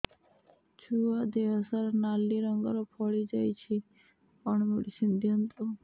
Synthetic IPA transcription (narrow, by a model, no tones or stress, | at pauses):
t͡ʃʰuad̪eɦəsaɾnalːiɾəŋɡəɾopʰɔɭid͡ʒajt͡ʃʰi | əɳ̃meɽisind̪ʱjənt̪o